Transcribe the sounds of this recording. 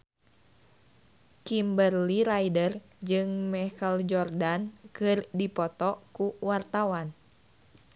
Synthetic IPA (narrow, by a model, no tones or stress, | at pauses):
kimbərliɾajdər | d͡ʒɨŋmɛkəld͡ʒɔrdankɨrdipɔt̪ɔkuwart̪awan